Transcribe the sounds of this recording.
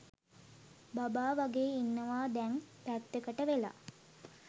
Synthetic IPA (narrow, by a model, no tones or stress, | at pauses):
babaːʋaɡeːinːəʋaːd̪ɛŋpæt̪ːəkəʈəʋela̰